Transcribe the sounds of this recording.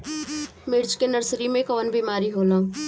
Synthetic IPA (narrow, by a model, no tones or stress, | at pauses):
mɪɾt͡ʃkenəɾsɾimẽkɔːnbiːmaːɾiɦoːlõ